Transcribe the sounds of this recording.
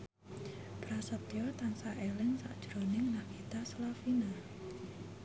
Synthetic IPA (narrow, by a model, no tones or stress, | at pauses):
b̥ɾasət̪jɔt̪aŋsaʔelɪŋsa̰ʔd̥ʒ̥ɾonɪŋnahkʰit̪asəlafina